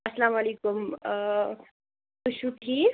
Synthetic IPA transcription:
ɐslamalekum | t̪uɕuʈʰiː

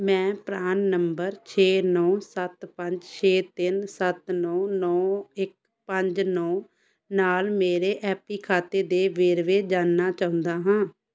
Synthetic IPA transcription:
mɛ̃ːpɾaːnːəmbəɾt͡ʃʰeːnɔːsət̪pə̃ɲd͡ʒt͡ʃʰeːt̪ɪnsət̪nɔːnɔːɪk̚ | pəɲd͡ʒnɔː | naːlmeːɾeːʔɛːpiːkʰaːt̪eːd̪eːʋeːɾʋeːd͡ʒaːnːaːt͡ʃaːʊ̃nd̪aːɦãː

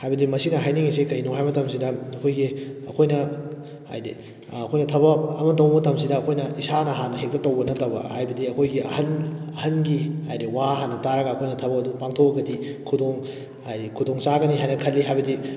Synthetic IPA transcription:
hajbɐdimɐsinɐɦajniŋisikɐjnoɦajmɐtɐms̬idɐɐkʰojɡiɐkʰojnɐ | a̰jdi | ɐkʰojnɐtʰɐβɐɐmɐt̬ɐwmɐtɐmsidɐːkʰojnɐisanɐɦanɐhek̚tɐtɐwɡɐnɐtɐbɐ̰hajbɐdiɐkʰojɡiɐ̰hɐnɐhɐnɡihajɾiwaɦanːɐtaɾɐɡaːkʰojnɐtʰɐbɐɐdupaŋtʰoɐɡɐdikʰudoŋ | ajdikʰudoŋsaɡɐniɦajnɐkʰɐlːiɦajbɐdi

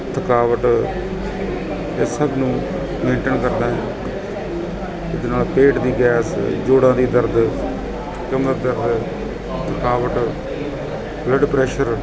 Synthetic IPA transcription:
t̪ʰəkaːʋəʈ | esəbnũː | mẽːɳʈənkəɾd̪ãːɦɛ̃ | ɪd̪eːnaːlpeːʈd̪iːɡɛːsd͡ʒoːɽãːd̪iːd̪əɾd̪ | kəməɾd̪əɾd̪ | t̪ʰəkaːʋəʈ | bləɖpɾɛːʃəɾ

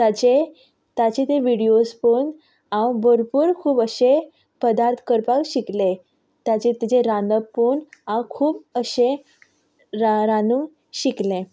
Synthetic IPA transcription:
t̪at͡ɕe | t̪at͡ɕet̪eʋiɽijospon | ãwbəɾpuːɾkʰuːpəɕe | pəd̪aɾt̪ʰkəɾpakɕikle | t̪jat͡ɕet̪it͡ɕeɾãnd̪əonãwkʰuːbəɕe | ɾɾanũŋ | ɕiklẽ

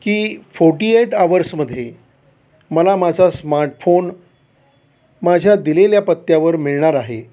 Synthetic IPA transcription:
kiːfoɾʈieʈaʋəɾsməd̪ʱːje | məlamad͡zʱasmaɾʈfon | mad͡ʑʱjad̪ileljapət̪ːjaʋəɾmiɭɳaɾaɦe

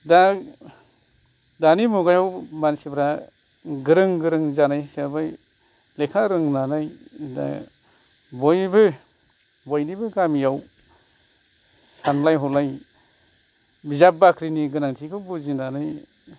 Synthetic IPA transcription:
da | danimuɡajawmansibɾa | ɡɯɾɯŋɡɯɾɯŋzanajsabaj | lekʰaɾɯŋnanajda̰ | bɔjbɯ | bɔjnibɯɡamijaw | sanlajɦɔlaj | bizabakʰɾiniɡɯnaŋtʰikʰɯbuzinanaj

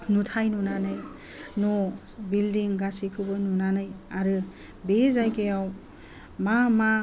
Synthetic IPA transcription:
nutʰajnunanɯj | nɔ | bildiŋɡasikʰɯbɯnunanɯjaɾɯ | bezajkejaw | mama

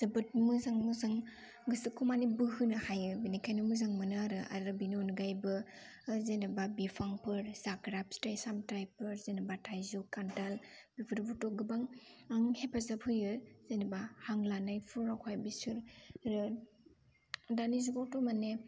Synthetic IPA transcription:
z̥ɯbɯt̚mɯzaŋmɯzaŋ | ɡɯsɯkʰumanibɯhɯnɯhajɯbinikʰajnɯmɯzaŋmɯnɯaɾɯʔa̰dɾɯbinonɡajbɯ | zenababipʰaŋpʰɯɾzakɾapstajsamtɾajpɯɾzenabatʰajzukantalbipʰɯɾbutɔɡɯbaŋaŋhepʰazapʰhɯjɯɾz̥enabahaŋlanajpʰuɾakʰajbisɯɾɾɯ | danizuɡawtɔmane

